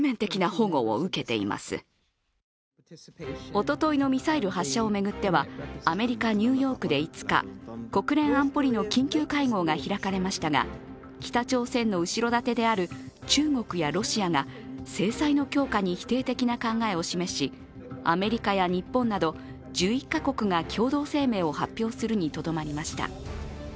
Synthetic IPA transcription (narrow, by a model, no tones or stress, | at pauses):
mẽ̞nt̪e̞kʲinaho̞ɡo̞̰o̰ɯ̟ke̞t̪e̞̰ḭma̰sɨ̰ | o̞t̪o̞t̪o̞ino̞mʲisaiɾɯ̟ɦaɕːao̞me̞ɡɯ̟t̪ːe̞βaːme̞ɾʲikaɲ̟ɨ̟ːjo̞ːkɯ̟d̪e̞it͡sɨ̥ka̰ko̞kɯ̟ɾẽ̞ɰ̃ãmpo̞ɾʲino̞kʲĩŋkʲɨːkaiŋo̞ːɡaçiɾakaɾe̞maɕi̥t̪aɡa̰ | kʲi̥t̪at͡ɕo̞ːsẽ̞nːo̞ɯ̟ɕiɾo̞d̪at̪e̞d̪e̞aɾɯ̟ | t͡ɕɨːŋo̞kɯ̟jaɾo̞ɕiaŋase̞ːsaino̞kʲo̞ːkaɲ̟içi̥t̪e̞ːt̪e̞kʲinakãŋɡae̞o̞ɕime̞ɕi | a̰me̞ɾʲikajaɲ̟ipːõ̞nːad̪o̞ | d͡ʑɨːikːako̞kɯ̟ŋakʲʰo̞ːd̪o̞ːse̞ːme̞ːo̞hapʲːjo̞ːsɨɾɯ̟ɲ̟it̪o̞d̪o̞maɾʲimaɕi̥t̪a̰